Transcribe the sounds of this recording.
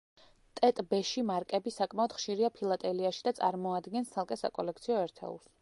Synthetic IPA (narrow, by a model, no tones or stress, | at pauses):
t̪ʼɛt̪ʼbɛʃimaɾkʼɛbisakʼmaɔd̪̥χʃiɾiapʰilˠat̪ʼɛliaʃid̪at̪sʼaɾmɔad̪ɡɛnst̪sʰalˠkʼɛsa̰kʼɔlɛkʰt̪sʰiɔɛɾt̪ʰɛ̰ṵlˠs